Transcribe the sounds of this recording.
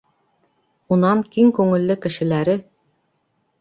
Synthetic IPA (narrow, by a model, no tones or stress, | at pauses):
unɑŋkiŋkʉŋɘ̆lːɘkɘ̆ʃɘ̆læɾɘ